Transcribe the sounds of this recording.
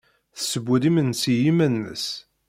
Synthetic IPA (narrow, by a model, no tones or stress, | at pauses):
θsəbːuðimənsijimænːə̰s